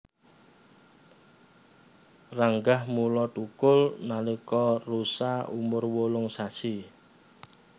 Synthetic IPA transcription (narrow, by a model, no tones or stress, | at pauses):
raŋɡahmulɔʈukʊlnalikɔrusaumʊrwolʊŋsasi